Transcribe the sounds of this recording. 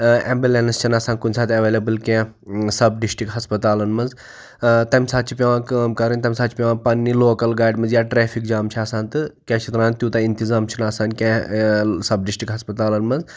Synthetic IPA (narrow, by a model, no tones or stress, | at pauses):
ḛmbileːnɐst͡ʃʰinaːsaːnʲkunʲsaːt̪ʰʲɐʋeːlɐbɨlkẽː | sɐbɖisʈikɦɐspɐt̪aːlɐnmɐnz | t̪ɐmʲsaːt̪̚t͡ʃʰipʲjɐʋãːkɐmkɐɾɨnʲt̪ɐmʲsaːt͡ʃʰipʲeʋãːpɐnːiloːkɐlɡaːjɖmɐnzjaːʈɾeːfʰik̚d͡ʒaːmt͡ʃʰiaːsaːnʲt̪ɨkẽːt͡ʃʰit̪ɾaːnt̪ʲjut̪ɐint̪izaːmt͡ʃʰinaːsaːnkẽːsɐbɖisʈɾikɦɐspɐt̪aːlɐnmɐnz